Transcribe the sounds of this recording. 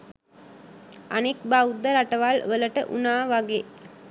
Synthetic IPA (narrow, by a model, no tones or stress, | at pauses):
ɐnek̚baʊd̪ɐɾɐʈːɐʋaːlʋəlɐʈːɐ̰ʔṵnaːʋaɡeː